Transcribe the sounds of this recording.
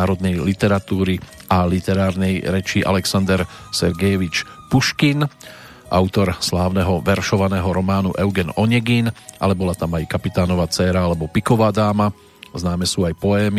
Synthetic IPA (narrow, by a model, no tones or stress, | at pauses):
aːɾɔd̪nɛjlit̪ɛɾat̪uːɾiʔalit̪ɛɾaːɾnɛjɾɛt͡ʃiʔa̰lɛksand̪ɛɾ | sɛɾɡɛjɛʋit͡ʃ | puʃkin | ʔa̰ʊt̪ɔɾslaːʊnɛɦɔʋɛɾʃɔʋanɛːɦɔɾɔmaːnṵʔɛʊɡɛnɔɲɛɡinʔa̰lɛbɔlat̪amajkapit̪aːnɔʋaːt͡sɛːɾaalɛbɔpikɔʋaːd̪aːma | znaːmɛsuːajpɔɛːmi